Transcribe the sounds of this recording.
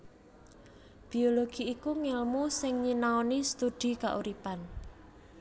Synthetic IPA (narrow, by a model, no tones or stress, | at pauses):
b̥i̤oloɡ̥i̤ːkuŋɪlmusɪŋɲinaonist̪ud̪̥i̤ka̰ʔṵɾipan